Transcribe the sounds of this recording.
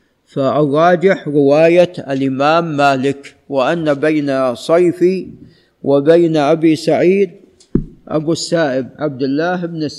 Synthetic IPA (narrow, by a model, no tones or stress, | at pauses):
faʔɑrˤːɑːd͡ʒɪħɾɪwaːjaalʔɪmaːmːaːlɪk | wɪʔanːabajnasˤɑjfi | wʔɪbajnʔabisaʕiːd̪̚ | ʔa̰busːaːʔɪbʕab̚d̪ɪlːaːɦɪbnɪs